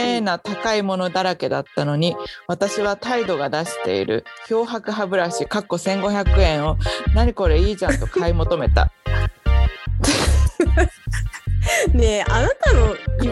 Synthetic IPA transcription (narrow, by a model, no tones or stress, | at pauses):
enat̪akaimo̞no̞d̪aɾake̞d̪at̪ːano̞ɲ̟iβat̪aɕiβ̞at̪aid̪o̞ɡad̪aɕi̥t̪e̞̰ḭɾɯ̟̰ço̞ːɦakɯ̟ɦabɯ̟ɾaɕikakːo̞sẽ̞ŋɡo̞çʲakɯ̟ẽ̞ɰ̃o̞naɲ̟iko̞ɾe̞iːd͡ʑãnt̪o̞kaimo̞t̪o̞me̞t̪a̰ | ne̞ʔanat̪ano̞i